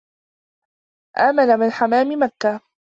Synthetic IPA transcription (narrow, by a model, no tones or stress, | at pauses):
ʔaːmanamɪnħamaːmɪmakːa